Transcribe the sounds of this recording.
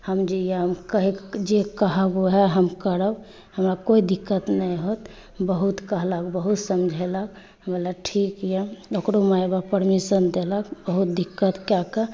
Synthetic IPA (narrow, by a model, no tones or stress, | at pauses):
həmd͡ʒijeɦəmkəɦid͡ʒekəɦəɡoɦɛɦəmkəɾəb | həmɾakoid̪ikːət̪nəjɦot̪ | bəɦut̪kəɦləkbəɦut̪səmd͡ʒʱelək | əbəlaʈʰikjeokɾomaebapəɾmisənd̪eləkbəɦut̪̚d̪ikːət̪kjakə